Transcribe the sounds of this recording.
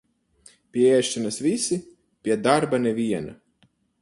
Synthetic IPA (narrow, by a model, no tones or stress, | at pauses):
pʲiɛɛʃinasvisi | pʲiɛd̪aɾbaneviɛna̰